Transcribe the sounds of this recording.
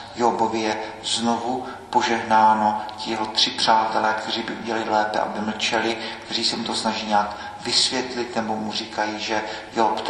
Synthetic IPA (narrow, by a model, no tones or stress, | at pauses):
jobo̞vɪjɛ | zno̞vupo̞ʒɛɦnaːno̞cɪjɛɦo̞t̪r̥ɪpr̝̥aːt̪ɛlɛːkt̪ɛriːbɪʔuɟɛalɪlɛːpɛ̰ʔa̰bɪml̩t͡ʃɛlɪkt̪ɛr̝iːsɛmut̪o̞snaʒiːɲaːk | vɪsvjɛt̪lɪt̪nɛbomurikajiːʒɛjop̪